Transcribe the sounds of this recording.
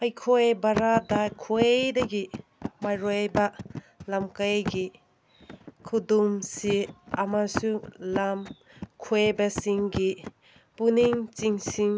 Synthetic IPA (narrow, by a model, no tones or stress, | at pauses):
ajkʰojbaɾadajkʰojdɐɡimajɾojba | lamkajɡi | kʰudumsiɐmasulam | kʰojbɐsiŋɡi | puniŋt͡ʃiŋsiŋ